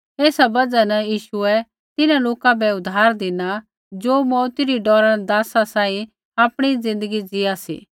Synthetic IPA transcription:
eːsabɐd͡ʒanɐjiːʃuɛ | t̪ɪnãloːkãbɛʊd̪ʱaːɾd̪ɪna | d͡ʒoːmɔːt̪iɾiɖɔːɾad̪aːsasãːĩ | aːpɽ̃izɪ̃nd̪əɡid͡zɪasḭː

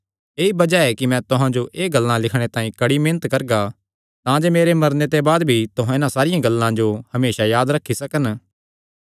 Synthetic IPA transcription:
eːibɐd͡ʒaɛkimɛ̃t̪ʊɦãd͡ʒoʔeːɡɐlːãlɪkʰɽ̃et̪ãːĩkɐɽimẽːnət̪kɐɾɡa | t̪ãd͡ʒemeːɾemɐɾnet̪ebaːd̪bʱit̪ʊɦãɪnãsaːɾɪjãɡɐlːãd͡ʒohɐmeːʃajaːd̪ɾɐkʰːisɐkən

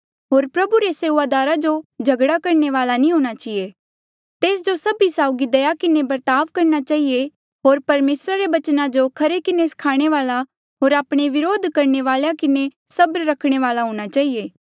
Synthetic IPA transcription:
ɦoːɾpɾɐbuɾeseːuʋaːd̪aːɾad͡ʒod͡ʒʱɐɡɽakɐɾneʋaːlanĩɦõːɽ̃at͡ʃie | t̪eːs̬d͡ʒosɐbisaːʊɡid̪ɐjakɪnebɐɾt̪aːʋkɐɾñat͡ʃaːɦie | ɦoːɾpɐɾmeːsɾaɾeʋɐt͡ʃnãd͡ʒokʰɐɾekɪneskʰaːɽ̃eʋaːla | ɦoːɾaːpɽ̃eʋɪɾoːd̪ʱkɐɾɳeʋaːljakɪne | sɐbɾɾɐkʰɽ̃eʋaːlaɦõːɽ̃at͡ʃaːɦieː

